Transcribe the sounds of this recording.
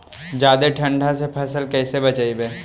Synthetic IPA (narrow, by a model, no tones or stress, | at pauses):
d͡ʒaːd̪eʈʰɐ̃ɳɖʱasepʰɐsəlkɛːsebɐt͡ʃaːibeː